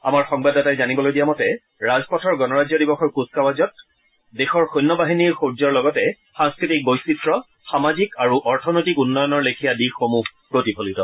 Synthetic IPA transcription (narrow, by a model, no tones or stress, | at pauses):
a̰maɹxɔŋbadatajzanibɔlojdijamɔtɛ | ɹazpɔtʰɔɹɡɔnɔɹazjɔdibɔxɔɹkuskawazɔt̚ | dexɔɹxojnːɔbaɦiniɹxoɹzɔɹlɔɡɔtɛ | xaŋskɹitik̚bojsitɹɔ | xamazikaɹuʔɔɹtʰɔnojtikunːɔjɔnɔɹlekʰijadixomuɦpɹotipʰolitɔ